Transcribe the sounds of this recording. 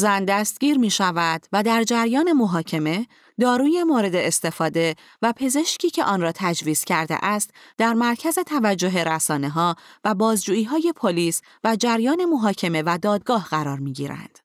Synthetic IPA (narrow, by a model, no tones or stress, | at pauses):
zænd̪æst̪̚ɟiːɾmiːʃævæd̪̥væd̪æɾd͡ʒæɾjɒːne̞mo̞ɦɒːcʰe̞me̞ | d̪ɒːɾuːje̞moɾe̞d̪e̞ːst̪e̞fɒːd̪e̞ | væpʰe̞ze̞ʃcʰiːcʰe̞ʔɒːnrɒːt̪ʰæd͡ʒviːz̥cʰæɾd̪ḛʔæst̪d̪æɾmæɾcʰæze̞t̪ʰævæd͡ʒːo̞ɦe̞ɾæsɒːne̞ɦɒːvæbɒːzd͡ʒuːiːɦɒːje̞pʰoliːs | væd͡ʒæɾjɒːne̞mo̞ɦɒːcʰe̞me̞væd̪ɒːd̪ɡɒːhɢæɾɒːɾmiːɟiːɾæ̰nd̪̥